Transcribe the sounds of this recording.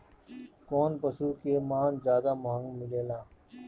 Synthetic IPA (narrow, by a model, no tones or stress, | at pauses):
koːnpəsuːkeːmãːnzjaːd̪aːmoɦəŋɡmɪleːlãː